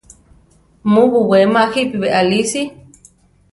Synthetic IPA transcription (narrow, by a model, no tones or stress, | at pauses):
mũβuwemahipiβeʔalisi